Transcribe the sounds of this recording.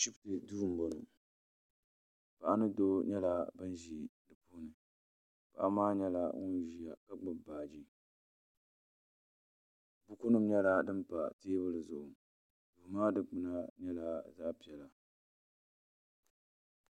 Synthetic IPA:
ʃi˦btɨ˨duː˦ɾm˦bo˨nu˨ | pa˨ʔa˦nɨ˦do˦ɲɛ˦la˦bɨ˦nʒi˨dɨ˨pu˦nɨ˨ | pa̰˨ʔa˦maː˦ɲɛ˦la˦ŋu˦ʒi˨ja˨ka˦ɡ͡bɨ˨bbaː˨d͡ʒi˦ | bu˦ku˦nɨ˦m˦ɲɛ˦la˦dɨ˦mpa˨teː˦bɨ˦lɨ˨zʊ˨ʔʊ˨ | du˨maː˦dɨ˨k͡pɨ˨na˦ɲɛ˦la˦zaː˦pi˨ɛ˨la˨

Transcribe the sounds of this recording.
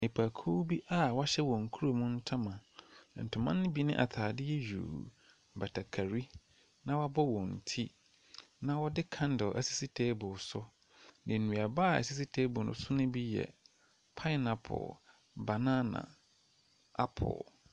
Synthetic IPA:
e˨pʰa˨kʰu˦bi˦ʔa˦wɔ˦ɕɛ˦wɔ̃˨ŋ̩˨kʰu˦ɾo˨mʊ̃˦n̩˦tʰa˦mã˨n̩˨tʰʊ̃˨mã˦nːɪ̃˦bi˦nɪ̰̃˦ʔa̰˨tʰaː˨dɪ˦jɛ˦jᶣṵ˨ | ba˨tʰa˨kʰa˨ɾi˦ | nã˦wa˦bɔ˦wɔ̃˨n̩˨tʰi˦ | nã˦wɔ˦dɪ˦kʰã˦n˦dɪ˨ʔsi̥˦si˦tʰeː˦bʊ˨sʊ˦ | nɪ̃˨nũ˨a˨baː˦˨æ̰˨si˦s̬i˦tʰe˦bʊ˨nʊ̰̃˨sʊ˦nʊ̃˦bi˦jɛ̰˨ | pʰa˦ɪ˦nã˨pʰɔ̰˨ | ba˨nã˦nã̰˨ | a̰˦pʰɔ̰˨

